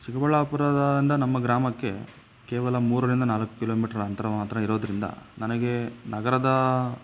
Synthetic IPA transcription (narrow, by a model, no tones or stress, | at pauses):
t͡ʃikɐbɐɭːapuɾaːd̪ɐd̪ind̪ɐnɐmːɐɡɾaːmɐkːe̞̰ | keːʋɐlɐmuːɾɐɾind̪ɐnaːlɐkːu̥kilo̞ːmiːʈɐɾɐɐɐnt̪ɐɾɐmaːt̪ɾɐiɾo̞ːd̪ɐɾind̪ɐ̰nɐnɐɡe̞nɐɡɐɾɐd̪ɐ